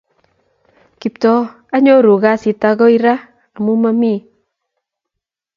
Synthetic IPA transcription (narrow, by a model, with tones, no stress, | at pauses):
ki˨ptɔ˦ | a˦ɲo˦ɾu˨ɣa˦si˨ta˧ɣɔ˦i˦ɾa˦ | a˨mu˦ma˦mi˦˨